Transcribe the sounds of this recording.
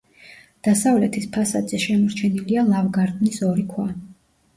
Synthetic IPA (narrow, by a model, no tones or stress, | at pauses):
d̪̥asavlɛt̪ʰispʰasa̰d̪zɛʃɛmɔɾt͡ʃʰɛnilialˠavɡaɾd̪nisɔɾikʰwa